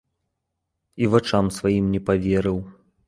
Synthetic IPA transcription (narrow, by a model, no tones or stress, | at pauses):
ivat͡ʂamsvajimnʲɛpavʲɛɾɨw